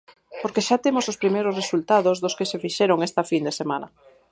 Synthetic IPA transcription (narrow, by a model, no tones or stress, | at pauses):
poɾkeʃat̪emosospɾimejɾosresult̪aðozðoskesefiʃɛɾoŋest̪ɐfind̪esemanɐ̰